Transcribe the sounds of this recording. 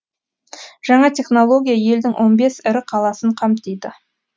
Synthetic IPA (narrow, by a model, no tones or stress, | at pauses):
ʒ̥ɑɴɑt̪ʰʲe̞χno̞lˠo̞ɡʲijaje̞ld̪ɪŋwʔo̞nbe̞sɪɾɪqʰɑlˠɑsəɴqʰɑmt̪ejd̪ɪ